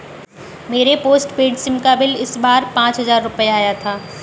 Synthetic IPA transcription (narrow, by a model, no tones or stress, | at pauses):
meːɾepoːsʈpeːɖsɪmkabɪlɪsbaːɾpãːt͡ʃɦɐzaːɾːʊpəjaːjat̪ʰaː